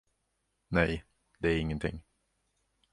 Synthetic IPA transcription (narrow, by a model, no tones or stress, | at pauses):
nɛj | d̪ɛæɾɪŋːənt̪ʰɪ̰ŋː